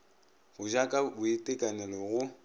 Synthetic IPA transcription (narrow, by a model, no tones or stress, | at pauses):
ɣʊd͡ʒakʼabʊetʼɛkʼanɛlɔɣʊ